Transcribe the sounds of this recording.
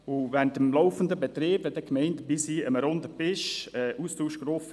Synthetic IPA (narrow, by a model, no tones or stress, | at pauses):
ʊʋɛntəmlɔʊfən̩dəbɛt̪ɾeːbʋɛtːɛkmɛɪntbisiəməɾondəpɪʃɛʔustuːʃkɾɔfə